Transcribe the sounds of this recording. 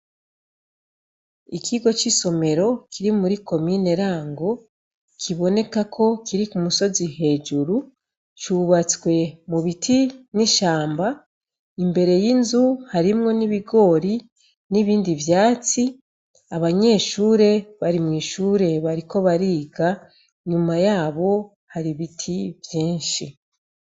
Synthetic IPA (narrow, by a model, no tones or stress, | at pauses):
ikiɡo̞t͡ʃiso̞me̞ɾo̞kʰiɾimuɾiko̞mine̞ɾaːŋɡo̞ | kʰiβo̞ne̞kakʰo̞kʰiɾikumuso̞zihe̞d͡ʒuɾu | t͡ʃuβat͡skwe̞muβitʰiniʃaːmba | imbe̞ɾe̞jinzuhaɾimŋo̞niβiɡo̞ːɾi | niβiːndivjaːt͡si | aβaɲe̞ːʃuːɾe̞βaɾimŋiːʃuːɾe̞βaɾiko̞βaɾiːɡa | ɲumajaːβo̞ | haɾiβitʰivjiːnʃi